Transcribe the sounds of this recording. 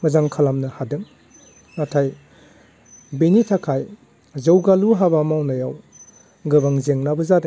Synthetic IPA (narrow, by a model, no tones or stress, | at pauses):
mɐzaŋkʰalamnɐhadɯŋ | natʰaj | binitʰakʰaj | zɐwɡaluɦabamawnajaw | ɡɯbaŋzeŋnabɯzadɯ